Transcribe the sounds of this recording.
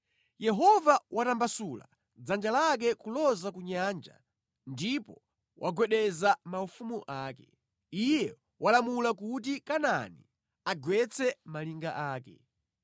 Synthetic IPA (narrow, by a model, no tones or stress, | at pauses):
jɛɦɔvawʔatambasula̰ | d͡zand͡ʒalak̬ɛkulɔzakuɲand͡ʒa̰ | ndipɔ | wʔaɡwɛɗɛzamaufumuʔaːkɛ | ijɛ | wʔalamulakut̬ikananḭ | aɡwɛt͡sʰɛmaliŋɡa̰ʔaːkɛ̰